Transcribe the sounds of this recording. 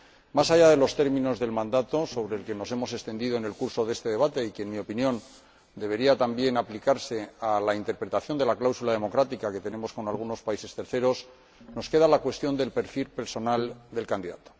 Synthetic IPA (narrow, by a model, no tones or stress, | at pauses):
masaʝað̞e̞lo̞st̪e̞ɾmĩno̞zðe̞lmãnd̪at̪o̞so̞βɾeːlke̞no̞se̞mo̞se̞st̪e̞nd̪iðo̞ene̞lkuɾso̞ðe̞st̪e̞ðe̞β̞at̪e̞ikenmio̞pinjõ̞n | d̪e̞β̞e̞ɾiat̪ambje̞naplikaɾse̞alaint̪e̞ɾpɾe̞t̪aθjo̞nd̪e̞laklawsulað̞e̞mo̞kɾat̪ikake̞t̪e̞ne̞mo̞sko̞nalɣ̞uno̞spaise̞st̪e̞ɾθe̞ɾo̞s | no̞ske̞ðalakwe̞st̪jo̞nd̪e̞lpe̞ɾfilpe̞ɾso̞nald̪e̞lkand̪iða̰t̪o̥